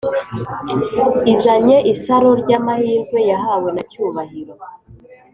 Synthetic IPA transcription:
izaɲe̞ʔisaɾoɾɟaːmahiːɾɡwe̞jaɦaːwenacuːβahiɾo̞

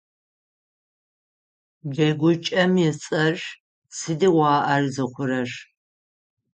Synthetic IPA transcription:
d͡ʒɐɡʷʊt͡ʃʼɐmjɛt͡sʼɐʒ | sɨdiwʷɑːʔɐrzɨχʷʊɾɐʂ

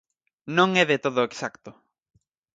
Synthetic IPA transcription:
nõŋɛðet̪oðʊeksakt̪ʊ

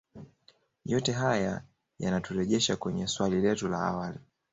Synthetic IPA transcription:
jɔtɛɦaja | ja̰natuɾɛʄɛʃakwɛɲɛswalilɛtula̰a̰wali

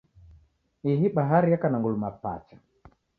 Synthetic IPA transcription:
iɦiɓaɦaɾijakanaŋɡulumapa̰t͡ʃḁ

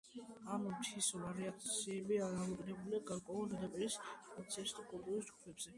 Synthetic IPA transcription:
ammt̪ʰisɔlaɾɛakt̪sʰiɛbiaɾaɔd̪ʼnɛbuliaɡaɾkʼwɛuldad̪apʼiɾispʼɔt̪sʰiast̪ʰʼikʼulˠt̪ʼuɾisdd͡ʒɡ̥upʰɛbz̥ɛ

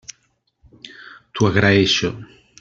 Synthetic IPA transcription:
t̪uaɣɾaeʃo

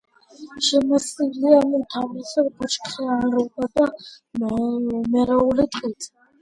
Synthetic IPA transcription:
ʃɛmasiliamit̪ʰavisɛɾɡut͡ʃʰkʰχɛanɾɔkʼad̪a | mɛɾaulit̪ʼqʼit̪ʼ

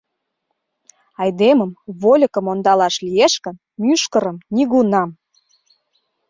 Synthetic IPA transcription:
ɑjd̪eməmβolʲəkə̆mond̪ɑlɑʃlijeʃkə̆n | myʃkəɾəmniɣunɑm

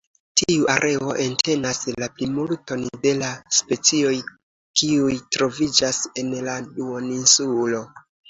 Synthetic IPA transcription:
tiuʔaɾʔe̞o̞ʔe̞ntʰe̞naslaplimulto̞nde̞laspe̞t͡sio̞j | kiujtɾo̞vid͡ʒase̞nladuoninsulo̞

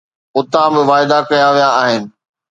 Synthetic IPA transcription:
ʊt̪ãbɪʋaːɪd̪akɐjaʋijaːɦɪnɪ̆

